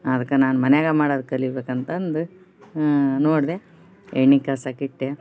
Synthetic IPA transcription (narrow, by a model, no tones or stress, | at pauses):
ɐd̪ɐkːenaːnumɐnejaːɡɐmaːɽod̪kːɐlːibekɐnt̪ɐnd̪u | noːɽd̪e | eɳːikːɐsɐkiʈːe